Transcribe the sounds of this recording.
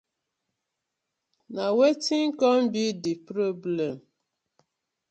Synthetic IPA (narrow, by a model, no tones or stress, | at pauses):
nawetiŋ̩kɔm̩bidipɾoblem